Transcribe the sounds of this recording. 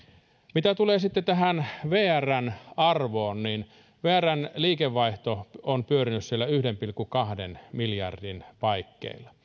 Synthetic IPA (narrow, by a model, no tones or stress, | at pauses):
mit̪æt̪uleːsit̪ːet̪æhænʋeːærːænɑrʋoːnnin | ʋeːærˑænliːkeʋːɑiht̪oonpyørinyssielːæyhdempilkːukɑhdenmiljɑ̰rdinpɑikːḛilːɑ